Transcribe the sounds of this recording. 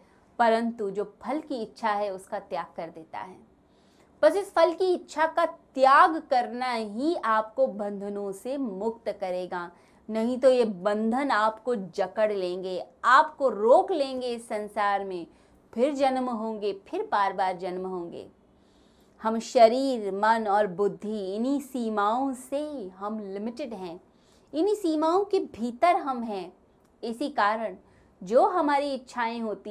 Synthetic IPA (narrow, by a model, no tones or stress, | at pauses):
pɐɾə̃nt̪ud͡ʒoːpʰɐlkiɪtːʃʰaɦɛʊskat̪jaːɡ̚kɐɾd̪eːt̪a̰ɦɛː | pɐsɪsfʰɐlkiɪtːʃʰakat̪jaːɡkɐɾnaɦiaːpkobɐ̃nd̪ʱənõsemʊk̚t̪kɐɾeːɡaː | nɐɦĩt̪ojebɐ̃nd̪ʱənaːpkod͡ʒɐkəɽlẽːŋɡeaːpkoɾoːklẽːŋɡeɪsːɐ̃nsaːɾmẽ | pʰɪɾd͡ʒɐnmɦõːŋɡepʰɪɾbaːɾbaːɾd͡ʒɐnmɦõːŋ̆ɡḛː | hɐmʃɐɾiːɾmɐnɔːɾbʊd̪ʱːiɪnisiːmaːõseɦɐmlɪmɪʈɪɖɦɛ̃ː | ɪnisiːmaːõkebʱiːt̪əɾɦɐmɦɛ̃ː | ɪsikaːɾəɽ̃ | d͡ʒoːɦɐmaːɾiɪtːʃʰaːẽɦoːt̪i